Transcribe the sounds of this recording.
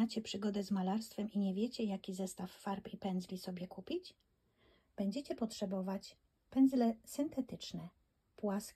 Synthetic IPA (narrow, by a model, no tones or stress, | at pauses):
at͡ɕɛpʂɘɡɔd̪ɛzmalaɾst̪fɛmiɲɛvʲjɛt͡ɕɛjakʲizɛst̪afːaɾpipɛnd̪zlʲisɔbʲjɛkupʲit͡ɕ | b̥ɛɲd͡ʑɛt͡ɕɛpɔtʂɛbɔvat͡ɕ | pɛndzlɛsɘnt̪ɛt̪ɘt͡ʂnɛ | pwas